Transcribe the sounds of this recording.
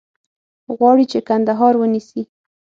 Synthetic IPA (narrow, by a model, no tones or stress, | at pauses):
ɣwɑɽit͡ʃekand̪aɦɑɾwənisi